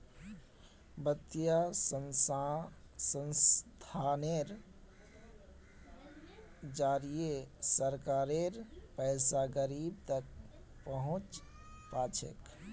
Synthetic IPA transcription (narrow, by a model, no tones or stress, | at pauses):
bət̪ːijasə | sənst̪ʰaneɾ | d͡ʒaɾijesəɾkaɾeɾpəjsaɡəɾib̚t̪ək̚ | pəɦʊ̃t͡ʃ | pat͡ʃʰḛk